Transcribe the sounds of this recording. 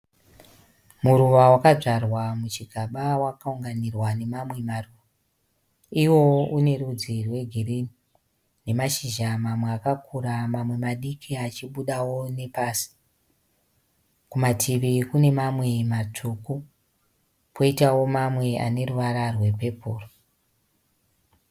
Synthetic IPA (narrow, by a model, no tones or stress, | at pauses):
muɾuʋawakaʐarwamut͡ʃiɡʱaɓawakauŋɡanirwane̞mamwe̞maruʋa | iwo̞une̞rud͡zirwe̞ɡʱirini | ne̞maʃiʒamamweakakʰuɾamamwe̞maɗikʰiat͡ʃiɓuɗawo̞ne̞paːsi̥ | kumatʰiʋikune̞mamwe̞mat͡ʂʰuku | pʰo̞itawo̞mamwe̞a̰ne̞ruʋaɾarwe̞pe̞puːro